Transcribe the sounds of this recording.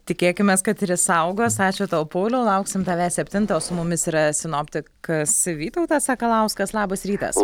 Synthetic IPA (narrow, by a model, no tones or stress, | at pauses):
t̪ʲɪkʲeːkʲɪmʲeːskɐt̪ɪɾʲɪsɐʊɡoːsɑːt͡ʃʲʊt̪oːʊpoːlʲoːlˠɐʊksʲɪmt̪ɑːʋʲæːsʲɛpʲt̪ʲɪnt̪oːsʊmʊmʲɪsiːɾɐsʲɪnoːpʲt̪ʲɪkɐsʋʲiːt̪ɐʊt̪ɐsɑːkɐlˠɐʊskɐslˠɑːbɐsɾʲiːt̪ɐ̰s